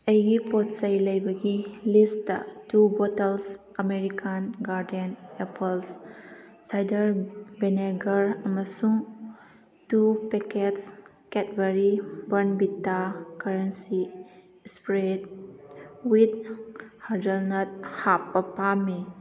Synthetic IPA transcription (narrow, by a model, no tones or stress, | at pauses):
ɐjɡipotsɐjlɐjbɐɡilistːɐ̰tubotels | ɐmeɾikʰanɡaɾdenepʰels | sajdɐɾbeneɡɐɾɐmɐsuŋ | tupekets | ketbeɾibɐɾnbitːakaɾensi | spɾed | wit̚haɾdɐlnat̚hapːɐpami